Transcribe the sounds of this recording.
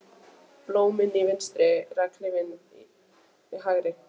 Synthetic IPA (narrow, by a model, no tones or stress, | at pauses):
plowmɪnivɪnst̪ɾɪrakʰlɪvɪn | ɦaɣɾɪ